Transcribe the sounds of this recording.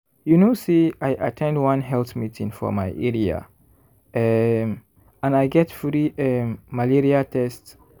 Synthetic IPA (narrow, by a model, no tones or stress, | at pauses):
junosiajʔa̰tʰɛ̃ndwãnɦɛlθmitĩŋfɔ̰majʔɛɹia̰ | ãnajɡɛtfɹiɛmalɛɹiatʰɛsts